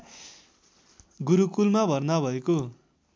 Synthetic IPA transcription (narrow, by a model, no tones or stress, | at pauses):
ɡuɾukulmabʱʌrnabʱʌeko